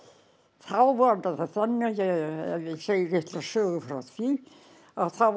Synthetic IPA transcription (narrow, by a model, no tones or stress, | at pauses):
θawvant̪aθaðθɛnːɪjɛ̰jɛseːjɪɾɪht̪lasœːɣʏfɾawθvi | aðθaw